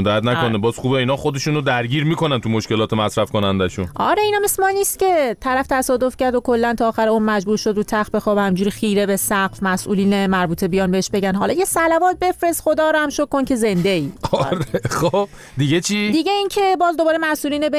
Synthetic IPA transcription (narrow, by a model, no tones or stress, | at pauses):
d̪ææt̪nækonebɒːz̥χuːbeiːnɒːxod̪eʃunod̪æɾɟiːɾmiːkonænt̪ʰumoʃkʲe̞lɒːt̪ʰemæsɾæfkonænd̪æʃṵnʔɒ̰ːɾe̞inæːmesmɒːnːiːst̪cʲe̞t̪ʰæɾæft̪ʰæsɒːd̪o̞fcʰæɾd̪okʰo̞lːænt̪ʰɒːxæɾeuːnmæd͡ʒbuːɾʃod̪ɾut̪ʰæxtbexɒːbhæmd͡ʒuːɾixiːɾebesæχfmæsʔṵːliːnemæɾbuːt̪ʰe̞bijɒːnbeeʃbe̞ɟænɦɒ̰ːlɒːjesælævɒːt̪̚be̞fɾe̞st̪xod̪ɒːɾɔhæmʃokʰːoncʰe̞zend̪eiːɒɾeχob̥ | d̪iɟʲet͡ʃʰid̪iɟeincʰe̞bɒːzd̪obɒːɾemæsʔuːliːnebe